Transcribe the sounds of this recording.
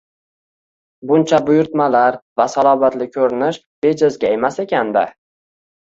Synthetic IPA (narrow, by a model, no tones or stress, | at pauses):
bʊnt͡ʃʰabʊjʊɾt̪malaɾvasalˠɒbat̪lɪkʲʰɵɾɪnɪʃ | b̥e̞d͡ʒazɡʲae̞mase̞kʲand̪a̰